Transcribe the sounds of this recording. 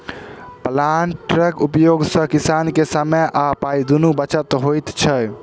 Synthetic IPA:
plaɳʈɾəkupjoɡsə̃kisankesameʔapaid̪unubət͡ʃət̪ɦojt̪t͡ʃʰəj

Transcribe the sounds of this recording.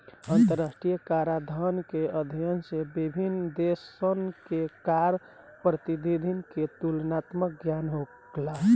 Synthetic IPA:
ənt̪əɾasʈɾijəkaɾad̪ʱənkeəd̪ʱijənsebibʱinːd̪esənkekaɾ | pɾət̪id̪ʱid̪ʱinket̪ulnat̪mək̚ɡjanɦo | laɦ

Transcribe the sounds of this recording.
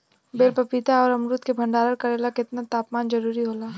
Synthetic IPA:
beːlpɐpit̪aɔːɾɐmɾut̪kebʱɐ̃ɳɖaːɾəɾkɐɾeːlakɪt̪nat̪aːpmaːnd͡ʒɐɾuːɾiɦoːlaː

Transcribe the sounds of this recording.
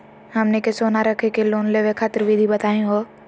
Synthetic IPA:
hɐmnekesoːnaɾɐkʰekeloːnleʋekʰaːt̪əɾʋid̪ʱibɐt̪aːẽɦo

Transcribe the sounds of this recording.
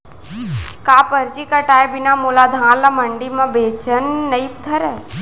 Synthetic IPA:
kaːpəɾd͡ʒikaʈaːjbɪnamulad̪ʱãːlaməɳɖimãbeːt͡ʃənːəip̚t̪ʰəɾɛ

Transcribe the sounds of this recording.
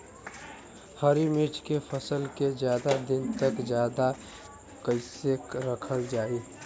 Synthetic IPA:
həɾimɪt͡ʃkepʰəsəlked͡ʒjaːd̪ad̪ɪnt̪əkd͡ʒjaːd̪a | kəɪsekɾəkʰəld͡ʒaːi

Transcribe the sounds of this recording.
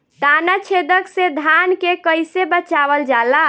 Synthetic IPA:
t̪anat͡ʃʰed̪əksed̪ʱankekəjsebət͡ʃaβəld͡ʒala

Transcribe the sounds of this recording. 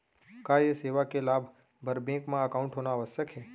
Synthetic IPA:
kajeseːʋakelaːbʱ | bʱəɾbẽkmãəkaũɳʈɦoːnaːʋəsjəkɦe

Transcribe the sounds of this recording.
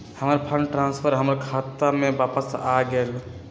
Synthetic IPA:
həməɾpʰəɳʈɾãnspʰəɾɦəmɾkʰat̪amebapəsaɡel

